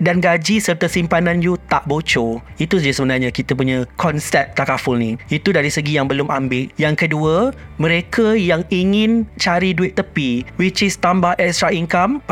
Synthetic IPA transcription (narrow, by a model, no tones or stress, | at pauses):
danɡad͡ʒisərt̪asimpanãnd͡ʒut̪aʔbot͡ʃo | it̪usasəbənarɲãkit̪ap̬uɲãkʰɔnsɛp̚t̪akafulnĩit̪udaɾisəɡijaŋbəlʊmambɪʔjaŋkəduəmə̃ɾekʰajaŋiŋɪ̃nt͡ʃaɾiduɪt̪ːəpiwit͡ʃɪst̪ambaɛkst̪ɾaiŋkam